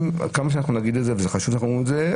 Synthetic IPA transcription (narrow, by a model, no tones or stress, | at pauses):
m̰kamaʃ̬eanaχnunaɡid̪ezevezeχaʃuvaχnumulze